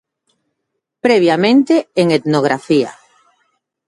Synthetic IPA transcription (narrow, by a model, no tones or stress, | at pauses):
pɾɛβjamẽnt̪eeŋet̪noɣ̞ɾafia̰